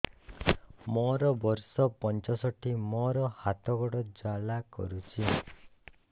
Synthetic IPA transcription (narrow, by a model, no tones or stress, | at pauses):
mɔɾɔbɔɾsɔpɔnt͡ʃɔsɔʈʰimɔɾɔhat̪ɔɡɔɽɔd͡ʒalakɔ̰ɾut͡ʃʰi